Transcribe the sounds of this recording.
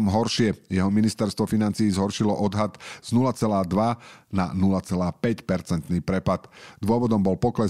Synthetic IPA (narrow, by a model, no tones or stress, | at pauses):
mɦɔɾʃɪɛjɛɦɔminist̪ɛɾst̪ʋɔfinant͡siːzɦɔɾʃilɔʔɔd̪ɦat̪z̥nulat͡sɛlaːd̪ʋana̰nulat͡sɛlaːpɛcpɛɾt͡sɛnt̪niːpɾɛpat̪d̪ʊɔʋɔd̪ɔmbɔlpɔklɛ